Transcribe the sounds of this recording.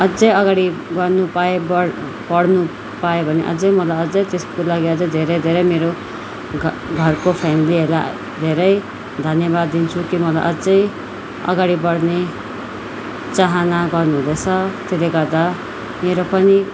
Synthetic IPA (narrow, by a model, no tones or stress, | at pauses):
ʌd͡zʌjʌɡaɽiɡʌrnupaebʌ | bʌɽnu | pajobʱʌnḛʔʌ̰d͡zʌjmʌlajʌd͡zʌjt̪eskolaɡiʌd͡zʌjd̪ʱeɾʌjd̪ʱeɾʌjmeɾo | ɡʱʌrkopʰamiliɦela | d̪ʱeɾʌj | d̪ʱʌnjʌbad̪ːint͡sʰukimʌla̰jʔʌd͡zʌj | ʌ̰ɡaɽibʌɽne | t͡saɦanaɡʌrnuɦũlet͡sʰʌt̪eleɡʌrd̪a | meɾopʌni